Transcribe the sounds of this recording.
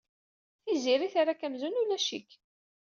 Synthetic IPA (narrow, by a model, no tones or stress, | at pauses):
θiziɾiθaɾakæmzunulæʃḭk